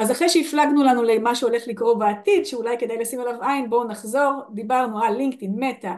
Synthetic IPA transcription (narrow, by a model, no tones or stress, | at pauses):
azaχʁejʃeiflaɡnulanulemaʃuo̞le̞χlikʁo̞beat̪idʃeulajke̞d̪ajlasimalavainbo̞naχzo̞ʁd̪ibaʁnualiŋktinmeta